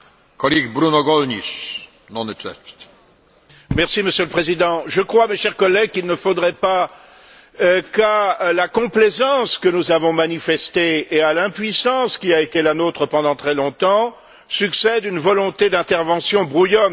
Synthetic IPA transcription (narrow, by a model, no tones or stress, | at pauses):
kɔliɡbɾunɔɡɔlɲis | nɔ̃netɛ̰st̪ | mɛʁsiməsjøləpχezid̪ɑ̃ʒəkχwameʃɛʁkɔlːɛɡ̚kilnəfod̪ʁɛpa | kalakɔ̃plezɑ̃skənuzavɔ̃manifɛst̪eːalɛ̃pɥisɑ̃skʲiaet̪elanot̪χəpɑ̃d̪ɑ̃t̪χɛlɔ̃t̪ɑ̃ | syksɛd̪ynvɔlɔ̃t̪ed̪ɛ̃t̪ɛʁvɑ̃sjɔ̃bʁujɔn